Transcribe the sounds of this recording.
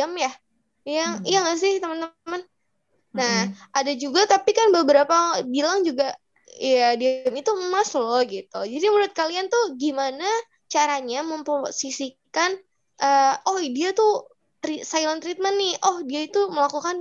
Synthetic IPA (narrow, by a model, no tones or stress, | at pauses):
amjah | jaŋjaŋas̬ɪht̪əmənt̪əmən | naʔadad͡ʒuɡat̪apikanbəbəɾapabilaŋd͡ʒuɡa | jadiamit̪umaslɔɡit̪ud͡ʒadimuɾʊt̪̚kaliant̪uhɡimana | t͡ʃaɾaɲaməmpəosisikan | ʔəːɔhidiat̪u | t̪ɾisajlɔnt̪ɾit̪̚mənːɪhʔɔhdiait̪uməlakukan